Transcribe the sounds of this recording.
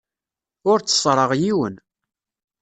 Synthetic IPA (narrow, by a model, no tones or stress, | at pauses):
ʊɾt͡sːə̥sˤɾˤəʁjiwən